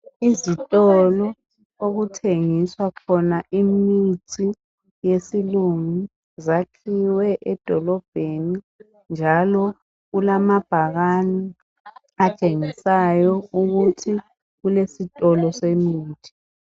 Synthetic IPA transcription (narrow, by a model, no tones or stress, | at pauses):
izitʼɔlɔ | oɣutʰeŋiswakʰɔnaʔimitʰi | jesiluŋu | zakʰiwɛʔɛd̥ʱɔlɔb̥ʱeni | nd͡ʒʱalɔ | ɣulamab̥ʱaɣani | at͡ʃʼeŋisajɔuɣutʰi | ɣulesitʼɔlɔsemiːtʰi̥